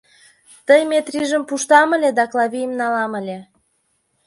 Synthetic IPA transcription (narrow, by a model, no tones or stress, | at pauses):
t̪əjmet̪rʲiʒə̆mpuʃt̪ɑmə̆lʲed̪ɑklɑβʲijəmnɑlɑməlʲe